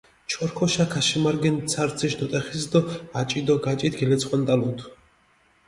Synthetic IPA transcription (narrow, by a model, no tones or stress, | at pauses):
t͡ʃʰɔɾkʰɔʃakʰaʃimaɾɡɛnt̪sʰaɾt̪sʰiʃnɔt̪ʼɛχisd̪ɔat͡ʃʼid̪ɔɡat͡ʃʼit̪ʰɡɛlɛt̪sʰχʼwant̪ʼalunt̪ʰu